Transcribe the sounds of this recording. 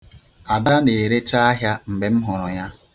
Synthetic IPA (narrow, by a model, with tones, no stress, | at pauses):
a˨da˦ne˨e˨ɾe˦ta˦a˦ɦja˦m̩˨ɡ͡be˨m̩˦ɦʊ˨ɾʊ˨ɲa˦